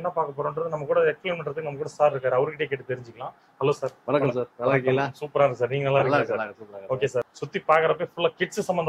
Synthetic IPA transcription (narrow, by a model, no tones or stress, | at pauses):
nːãːpaːɾkɐpːoːɽɐːɳdɾɐðɯnɐmːɐkuːɽɐɛkspleːnmɐɳʈɾɐðɯkːɯnɐmːɐkːuːɽɐsaːɾɪɾɯkːaːɾɐʋɐɾɯkɪʈɐjeːk̬eːʈːɯt̪ɛɾɪɲd͡ʒɪkːɐlãː | hɐloːsaːɾʋɐnɐkːɐsaːɾɐkːsuːpɐɾaːɪɾɯkːɯsaːɾniːŋɡɐɛlːãːɪɾklːaːoːkeːsaːɾsʊt̪ːipaːkɐɾɐp̬ːeːfʊlːakɪʈssɐmbɐnd̪ɐ